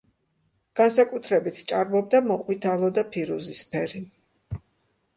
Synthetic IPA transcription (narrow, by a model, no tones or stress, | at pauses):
ɡ̥ansakʼut̪ʰɾɛbit̪ʰt͡ʃʼaɾmɔb̚d̪amɔqʼwit̪ʰalˠɔd̪apʰiɾuzispʰɛɾi